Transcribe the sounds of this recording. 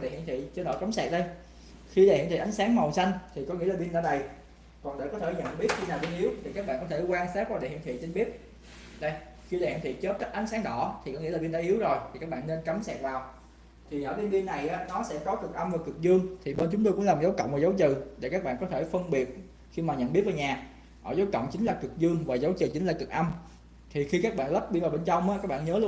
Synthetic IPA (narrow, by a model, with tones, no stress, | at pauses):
ɗḛ˧˨hḭ˧˨nt̪ʰḭ˧˨t͡ɕɨ˧nɗɔ̰˧˩ka˨˦msɛ˨˩t̚ɗə˧j | xi˧ɗḛ˨hḭ˨nt̪ḭ˨ʔa˨˦ŋ̟saː˨˦ŋmə˨˩wsa˧jŋ̟t̪ʰi˨˩kɔ˨˦ŋi˧˥əlaː˨˩ɓi˧nɗa̰ː˧˩ɗə˨˩j | kɔ˨˩ŋɗḛ˧˩kɔ˨˦t̪ʰjɲə̰˧˨nɓi˦˥ət̚xi˧naː˨˩wɓi˧nʔi˨˦əwt̪ʰi˨˩kaː˦˥k̚ɓ̰aː˧˨nkɔ˨˦t̪ʰe˧˩kwaː˧nsaː˦˥p̚kwaː˧˩ɗḛ˧˨hḭ˧˨ət̪ʰḭ˧˨t͡ɕe˧nɓi˦˥ət̚ | ɗə˧˩j | xi˧ɗa˨˩hḭ˧˨nt̪ʰi˧˨t͡ɕo˦˥t̚ka˦˥k̚ʔa˨˦jŋsaː˨˦ŋɗɔ˧˩t̪ʰi˨˩kɔ˨˦ŋi˧˥la˨˩ɓi˧nɗaː˧ʔi˨˦əwzo˨˩jt̪ʰi˨˩kaː˦˥k̚ɓa̰ː˧˨nːe˧nka˨˦msɛ˨˩t̚vaː˨˩w | t̪ʰi˨˩ʔəː˧˩t̪i˧ənɓi˧nːa˨˩jʔaː˨˦nɔ˨˦sɛ̰˧˥kɔ˨˦kɨ˨˩k̚ʔa˧mvaː˨˩kɨ˨˩k̚zɨ˧əŋt̪ʰi˨˩ɓe˧nt͡ɕʊ˨˦ŋ͡mt̪o˧kʊ̰˧˥laː˨˩mzə˨˦wkə̰˧˨wŋ͡mvaː˨˩zə˨˦wt͡ɕɨ̰˧˨ɗḛ˧˩kaː˦˥k̚ɓa̰ː˧˨kɔ˨˦t̪ʰe˧˩fə˧nɓi˨˩ət̚ | xi˧maː˨˩ɲə̰˧˨nɓi˦˥ət̚vːɲaː˨˩ | ʔəː˧˩zə˨˦wkə̰˧˨wŋ͡mt͡ɕï˨˦ŋ̟laː˨˩kɨ˨˩k̚zɨ˧əŋvaː˨˩zə˨˦wt͡ɕɨ̰˨˩t͡ɕi˨˦ŋ̟laː˨˩kɨ˨˩k̚ʔa˧m | t̪ʰi˨˩xi˧kaː˦˥k̚ɓa̰ː˧˨nlə˦˥p̚ɓi˧vaː˨˩wɓe˧nt͡ɕa˧wŋ͡mʔaː˨˦˥kaː˦˥k̚ɓa̰ː˧˨nɲəː˨˦lu˧